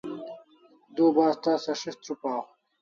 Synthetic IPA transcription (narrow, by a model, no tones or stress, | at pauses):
d̪uːbaːst̪aːsɐʂist̪ɾupaː